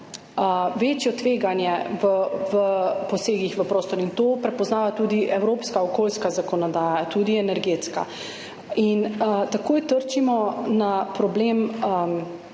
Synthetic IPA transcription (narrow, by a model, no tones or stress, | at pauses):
əʋeːt͡ʃjɔt̪ʋeːɡanjɛʋəʋəpɔseːɡixʋəpɾoːst̪ɔɾint̪oːpɾɛpɔznaːʋat̪uːd̪iʔɛwɾoːpskaɔkoːlskazakɔnɔd̪aːjat̪uːd̪iɛnɛɾɡet̪ska̰ | int̪akoːjt̪əɾt͡ʃimɔnapɾɔbleːm